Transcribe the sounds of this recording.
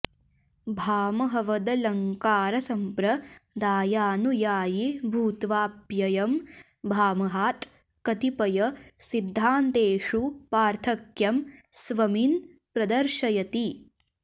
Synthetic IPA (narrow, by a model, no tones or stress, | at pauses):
bʱaːmɐɦɐʋɐd̪ɐlɐŋkaːɾɐsɐmpɾɐd̪aːjaːnujaːjibʱuːt̪ʋaːpjɐjɐm | bʱaːmɐɦaːt̪ | kɐt̪ipɐjɐsid̪ʱːaːnt̪eːʂupaːɾt̪ʰɐkjɐmsʋɐmin | pɾɐd̪ɐɾʃɐjɐt̪i